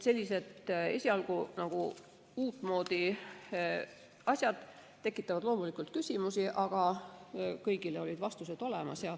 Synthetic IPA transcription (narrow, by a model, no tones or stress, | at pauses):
se̞lʲːise̞d̪e̞̰sʲiɑlɡunɑɡ̥ṵ | uːt̪ːˑmo̞ːd̪̥i | ɑsʲjɑd̪̥ | t̪e̞kːˑit̪ːˑɑvɑd̪̥lo̞ːmulikˑult̪̚kysʲimusiʔɑɡ̥ɑ | kɤjɡ̥ileo̞lʲid̪̥vɑst̪use̞d̪̥o̞le̞mɑ̰sjɑ